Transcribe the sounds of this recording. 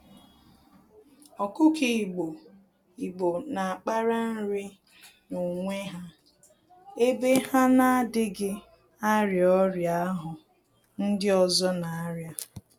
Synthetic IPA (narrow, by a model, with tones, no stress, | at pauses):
ɔ˨kʊ˦ki˨i˨ɡ͡bo˨ | i˨ɡ͡bo˨na˨a˨k͡pa˦ɾa˦n̩˦ɾɪ˦ | nu˨ŋʷe˦ɦa˦ | e˦be˦ha˦na˦a˦dɪ˦ɡɪ˦ | a˦ɾjɔ˦ɾja˦a˦ɦʊ˨ | n̩˦dɪ˦ɔ˨zɔ˦na˨a˦ɾja˦